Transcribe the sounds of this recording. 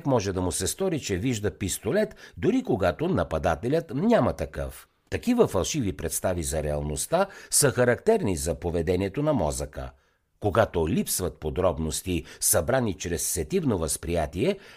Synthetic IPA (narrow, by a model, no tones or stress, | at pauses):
kmɔʒɛd̪ɐmʊsɛst̪ɔɾit͡ʃɛviʒd̪əpist̪olɛt̪d̪ʊɾikoɡat̪onɐpɐd̪at̪ɛlʲət̪nʲamɐt̪ɐkɤ̰f | t̪ɐkivəfɐlˠʃivipɾɛt̪st̪avizɐɾɛɐlˠnost̪asəxɐɾɐkt̪ɛɾnizɐpovɛd̪ɛniɛt̪onɐmɔ̰zəkə̰ | koɡat̪olipsvɐt̪̚pod̪ɾɔbnost̪isɐbɾanit͡ʃɾɛsːɛt̪ivnovəspɾijat̪iɛ